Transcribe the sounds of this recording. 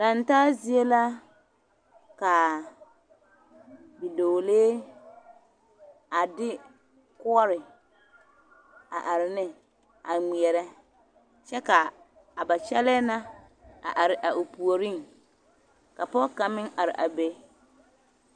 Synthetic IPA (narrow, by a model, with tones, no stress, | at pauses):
da˨n˦taː˦zi˦e˦la˦ | ka˨ | bi˨do˨leː˦ | a˨dɪ˦ | kʊ˦ɔ˦ɾɪ˨ | a̰˨ʔa˨ɾɪ˨nɪ˦ | a˨ŋ͡mi˨ɛ˨ɾɛ˦ | t͡ʃɛ˦ka˨ | a˨ba˨t͡ʃɛ˦lɛː˦na˦ | a̰˨ʔa˨ɾɪ˨ʔa˨ʔu˨pu˨o˨ɾi˦˨ŋ | ka˨pɔ˦ka˨mɪ˦ŋa˨ɾɪ̰˨ʔa̰˨be˦